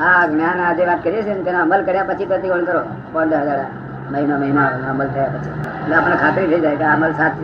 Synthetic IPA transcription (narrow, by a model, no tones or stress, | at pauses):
aknjãnad͡ʒeʋaːt̪kəɾijet͡ʃʰent̪enoəməlkəɾjapət͡ʃʰipɾət̪ikəɳkəɾo | pə̃nd̪əɦəd͡ʒaɾe | məɦinaməɦimanoəməlt̪ʰəjapət͡ʃʰileaːpəñãkʰaːt̪ɾibʱeid͡ʒajkeaməlsak